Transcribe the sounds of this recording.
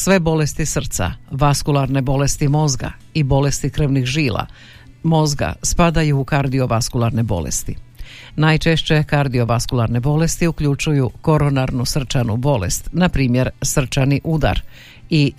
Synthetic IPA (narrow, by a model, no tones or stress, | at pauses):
sʋe̞bo̞le̞st̪isr̩t̪sa̰ʋaskulˠaɾne̞bo̞le̞st̪imo̞zɡa̰ibo̞le̞st̪ikr̩ʋnixʒiːlʔa̰ | mo̞zɡa̰spad̪ajuːkaɾd̪io̞ʋaskulˠaɾne̞bo̞̰lḛst̪i | najt͡ʃe̞ʃt͡ɕe̞kaɾd̪io̞ʋaskulˠaɾne̞bo̞le̞st̪iukʎut͡ʃujuko̞ɾo̞naɾnusr̩t͡ʃanubo̞le̞̰st̪napɾiːmje̞ɾsr̩t͡ʃaniʔud̪a̰ɾ | i